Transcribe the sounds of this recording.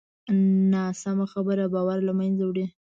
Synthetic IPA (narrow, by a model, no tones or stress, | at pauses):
nɑsamaxabəɾabɑwaɾlamanzawɽi